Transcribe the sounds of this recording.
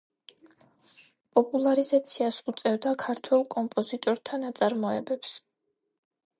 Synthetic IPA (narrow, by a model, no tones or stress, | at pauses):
pʼɔpʼulˠaɾizat̪sʰiasut̪sʼɛvd̪akʰaɾt̪ʰwɛlˠkʼɔmpʼɔzit̪ʼɔɾt̪ʰanat̪sʼaɾmɔɛbɛps